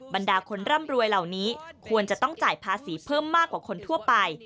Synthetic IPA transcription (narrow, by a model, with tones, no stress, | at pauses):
ba˧ndaː˧kʰo˧nɾa˥˩mɾu˧əjla˨˩wniː˦˥kʰu˧ənt͡ɕa˨˩t̪ɔ˥˩ŋt͡ɕaː˨˩jpʰaː˧siː˩˦pʰɤː˥˩mːaː˥˩kwaː˨˩kʰo˧nt̪ʰu˥˩ɐpa˧j